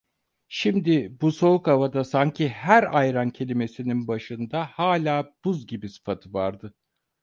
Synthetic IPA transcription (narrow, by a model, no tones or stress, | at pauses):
ʃimd̪ibuso̞ukavad̪asaɲcʰihæɾajɾancʰe̞lʲime̞sininbaʃɯnd̪ahaːlʲaːb̥uzɟibisɯ̥fat̪ʰɯvaɾd̪ɯ